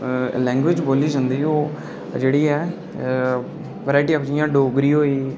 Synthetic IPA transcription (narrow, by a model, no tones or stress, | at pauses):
lɛːŋɡʋɪd͡ʒboːliːd͡ʒãːnd̪iːoː | d͡ʒeːɽiːɛː | ʋəɾaːɪʈiːpd͡ʒɪjãːɖoːɡɾiːɦoːiː